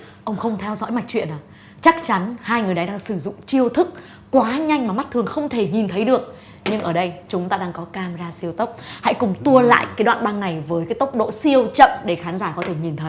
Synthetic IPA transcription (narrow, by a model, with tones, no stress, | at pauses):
ʔə˧wŋ͡mxə˧wŋ͡mt̪ʰɛ˧wzɔ̰˧˥jma˨˩k̟̚t͡ɕwḭ˧˨ənʔaː˨˩ | t͡ɕa˦˥k̚t͡ɕa˨˦nhaː˧jŋɨ˨˩jɗa˨˦jɗaː˧ŋsɨ˧˩zʊ̰˧˨ŋ͡mt͡ɕi˧əwt̪ʰɨ˦˥k̚ː | waː˨˦ɲa˧jŋmaː˨˩ma˦˥t̚t̪ʰɨ˨˩əŋxə˧wŋ͡mt̪ʰe˧˩ɲi˨˩nt̪ʰə˨˦jɗɨ˨˩ək̚ | ɲɨ˧ŋʔəː˧˩ɗə˧jt͡ɕʊ˨˦ŋ͡mt̪aː˧ɗaː˧ŋkɔ˨˦kaː˧˩mzaː˧si˧əwt̪ə˦˥wk͡p̚ha̰˧˥jkʊ˨˩ŋ͡mt̪u˧əla̰ː˧˨jkaː˨˦jɗwa̰ː˧˨nɓa˧ŋna˨˩jvəː˨˦jkaː˨˦jt̪ə˦˥wk͡p̚ɗo̰˧˨si˧əwt͡ɕə̰˧˨mɗe˧˩xaː˨˦nzaː˧˩kɔ˨˦t̪ʰe˧˩ɲi˨˩nt̪ʰə˨˦j